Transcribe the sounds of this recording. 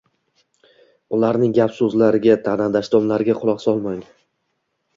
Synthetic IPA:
ʊlaɾnɪŋɡʲapsɵzlaɾɪɡʲat̪ʰanad̪aʃd̪ɒmlaɾɪɡʲaqʰʊlˠɒqsɒlˠmaŋ

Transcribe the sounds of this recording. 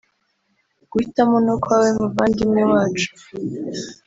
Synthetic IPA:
ɡ̥uitamonukwawemuvaːŋɡimɲewaːt͡ʃu̥

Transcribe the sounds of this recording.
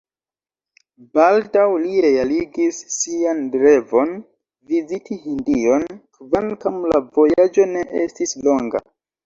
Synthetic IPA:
baldawliɾe̞aliɡisːiandɾe̞vo̞n | vizitihindio̞nkvankamlavo̞jad͡ʒo̞ne̞ʔḛstislo̞ŋɡa̰

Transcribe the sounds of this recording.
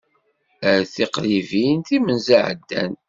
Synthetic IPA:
əɾθiqɾivint̪imənzaʕ̰d̪ːæ̰n

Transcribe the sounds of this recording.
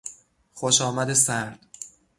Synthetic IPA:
xoʃɒːmæd̪e̞sæɾd̪̥

